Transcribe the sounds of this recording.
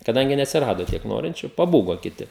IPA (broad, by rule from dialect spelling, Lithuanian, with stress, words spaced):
kɐˈdɐŋʲɡʲɪ nʲɛɐtʲsʲɪˈrɑːdoː ˈtʲiɛk ˈnoːrʲɪnʲt͡ʃʲʊ pɐˈbuːɡoː kʲɪˈtʲɪ